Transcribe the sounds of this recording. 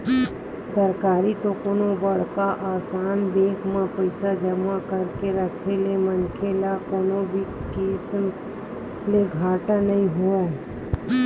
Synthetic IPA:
sɐɾkaːɾit̪okoːnobɐɽ̤kaʔaːsaːnd̪eːkʰmãpəɪsad͡ʒəmakɐɾkeɾɐkʰelemənkʰelakoːnõbʱikɪsm | leɡʱaːʈanɐɦĩɦua

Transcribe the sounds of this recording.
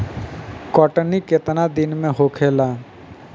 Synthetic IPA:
kɔːʈnikɪt̪nad̪ɪnmẽɦoːkʰeːlaː

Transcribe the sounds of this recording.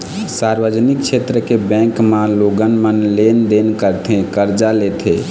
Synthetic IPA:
saɾbəd͡ʒnik̚t͡ʃʰet̪ɾəkebɛ̃ŋkmãloɡənmənlend̪enkəɾt̪ʰẽkəɾd͡ʒalet̪ʰe

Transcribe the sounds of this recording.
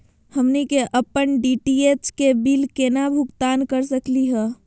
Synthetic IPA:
həmnikeʔəpːənɖiʈiet͡ʃkebilkenabʱʊɡt̪aːnkəɾsəkliɦɛː

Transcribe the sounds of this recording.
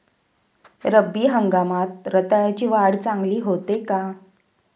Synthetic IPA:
ɾəbːiːɦəŋɡamat̪̚ɾət̪ajat͡ɕiːʋaɽt͡saŋɡliːɦot̪eka

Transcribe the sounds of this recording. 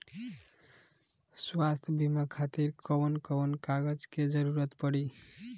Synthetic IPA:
swast̪ʰbʱimakʰat̪iɾkɔnkəwnkaɡəd͡ʒked͡ʒəɾuɾət̪pəɽi

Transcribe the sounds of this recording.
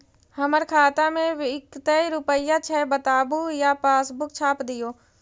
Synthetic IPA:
həməɾkʰaːt̪amẽɪkt̪əiɾʊpəɪjat͡ʃʰɛbət̪aːbujapaːsbʊkt͡ʃʰaːpd̪ɪjoː

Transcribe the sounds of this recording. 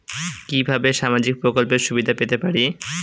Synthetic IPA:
kibʱabeʃamad͡ʑik̚pɾokolpeɾʃubid̪ʱapet̪epaɾi

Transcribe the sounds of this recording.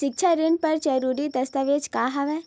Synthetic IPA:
ʃɪk̚t͡ʃʰaɾɪnpɐɾd͡ʒɐɾuːɾid̪ɐst̪aʋeːd͡ʒkaːɦɐʋɛː

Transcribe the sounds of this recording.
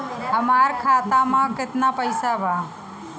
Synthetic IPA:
əmaːɾkʰaːt̪aːmãːkɪt̪naːpəɪsaːʋaː

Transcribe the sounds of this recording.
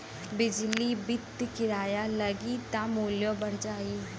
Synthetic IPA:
bɪd͡ʒlibɪt̪ːkɪɾaːjaːləɡit̪ãmoːljõbəɽ̤d͡ʒaːiː

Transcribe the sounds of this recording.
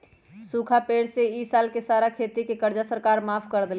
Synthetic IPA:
sukʰapeɽseisalkesaɾakʰet̪ikekəɾd͡ʒasəɾkaɾmapʰkəɾd̪el

